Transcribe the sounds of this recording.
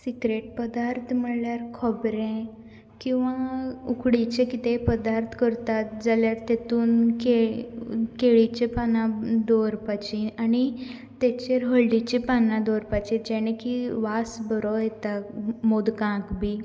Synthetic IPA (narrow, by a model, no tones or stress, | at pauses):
sikɾeʈ̚pəd̪aɾt̪ʰm̤əɽljaɾkʰɔbɾẽ | kĩw̃ʋaukʰɽit͡ɕekit̪epəd̪aɾt̪ʰkəɾt̪at̪̚d͡zaljaɾt̪et̪uːnke | keɭit͡ɕepanãd̪ɔɾpat͡ɕiani | t̪ɛt͡ɕeɾɦəɭɖit͡ɕipanãd̪ɔɾpat͡ɕĩd͡ʑɛɽ̃ẽkiʋasbəɾɔjɛt̪amod̪kãkbʱi